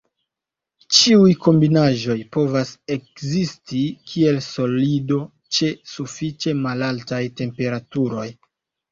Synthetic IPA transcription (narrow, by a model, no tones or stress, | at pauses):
t͡ʃiujko̞mbinaʒo̞jpo̞vase̞k̚zistikʰie̞lso̞lido̞ | t͡ʃe̞sufit͡ʃe̞malaltajte̞mpe̞ɾatuɾo̞j